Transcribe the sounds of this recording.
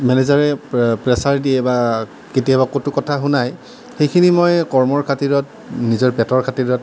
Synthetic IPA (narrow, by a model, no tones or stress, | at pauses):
mɛnɛzaɹɛpɹɛsaɹdiɛba | ketijabakotukɔtʰaɦʊnaj | xejkʰinimɔjkɔɹmɔɹkʰatiɹɔt̚ | nizɔɹpɛtɔɹkʰatiɹɔt̚